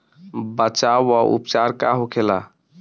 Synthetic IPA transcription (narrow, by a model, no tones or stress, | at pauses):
bət͡ʃawːaʔṵpt͡ʃaɾkaɦokʰela̰